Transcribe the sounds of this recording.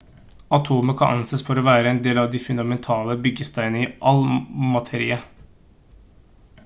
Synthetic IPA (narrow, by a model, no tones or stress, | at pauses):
ɑt̪ʰoːməkʰɑnʔɑ̰nsəsfɔɾɔʋæːɾəɛnd̪eːlɑʋd̪ɪfʉnɑmɛnt̪ʰɑːləbʏɡəst̪ʰæɪnəiːʔɑlmɑt̪ʰeːɾiːə